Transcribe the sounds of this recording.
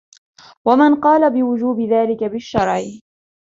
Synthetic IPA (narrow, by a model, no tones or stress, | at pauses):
wamanqɑːlabɪwʊd͡ʒuːbɪðaːlɪkabɪʃːɑɾˤʕɪ